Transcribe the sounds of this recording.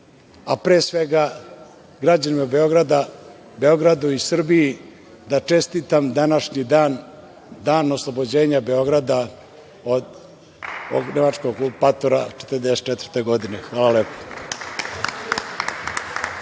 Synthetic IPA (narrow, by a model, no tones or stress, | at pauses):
apɾeːsʋe̞ɡa | ɡɾad͡ʑanimaubeo̞ɡɾad̪a | be̞o̞ɡɾad̪uisr̩biji | d̪at͡ʂe̞st̪it̪amd̪anaʃɲid̪aːn | d̪aːno̞slˠobod͡ʑe̞ːɲabe̞o̞ɡɾad̪a | od̪ | o̰ɡnemat͡ʂkoɡlupat̪oɾat͡ʃet̪əɾd̪ese̥t͡ʃet̪vr̩t̪eɡod̪inexʋaːlˠaleːpo̥